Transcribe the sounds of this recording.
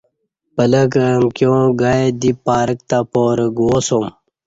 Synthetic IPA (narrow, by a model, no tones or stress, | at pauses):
pəlɐkəmkjõːɡaed̪ipːaːɾək̚t̪apoːɾɡoːsom